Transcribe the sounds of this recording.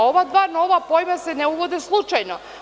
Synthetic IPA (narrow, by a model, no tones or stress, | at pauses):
oʋad̪ʋano̞ʋapojmaseneuʋod̪eslˠut͡ʃajno